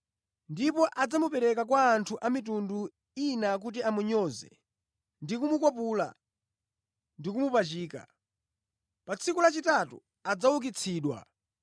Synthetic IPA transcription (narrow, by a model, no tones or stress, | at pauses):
ndipɔʔad͡zamupɛɾɛkakwaːntʰuʔamitundu | inak̬ut̬iamuɲɔzɛ̰ | ndikumukɔpula̰ | ndikumupat͡ʃiːka̰ | pat͡sʰikulat͡ʃitatṵ | ad͡zawuk̬it͡sʰiːɗwa̰